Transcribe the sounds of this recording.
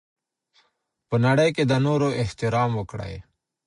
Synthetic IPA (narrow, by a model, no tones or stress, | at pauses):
pənaɽəjked̪anoːɾoːʔeht̪ɪɾaːmwokɽa̰ːḛː